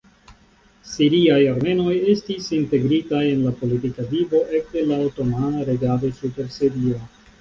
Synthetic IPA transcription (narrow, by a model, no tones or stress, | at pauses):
siɾiajaɾme̞no̞je̞stisinte̞ɡɾitaje̞nlapo̞litikavibo̞ʔe̞kdelawto̞manaɾe̞ɡado̞supe̞ɾsiɾio